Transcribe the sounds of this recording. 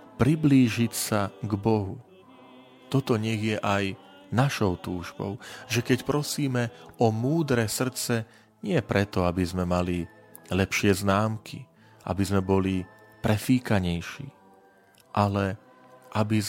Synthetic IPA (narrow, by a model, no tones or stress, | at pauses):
pɾibliːʒicsaɡbɔɦu | t̪ɔt̪ɔɲɛɣjɛʔaj | naʃɔʊt̪uːʒbɔ̰ʊʒɛkɛcpɾɔsiːmɛɔmuːd̪ɾɛsr̩t͡sɛ | ɲɪɛpɾɛt̪ɔabizmɛmali | lɛpʃɪɛznaːmkʰi | a̰bizmɛbɔli | pɾɛfiːkaɲɛjʃḭː | ʔalɛ | ʔabiz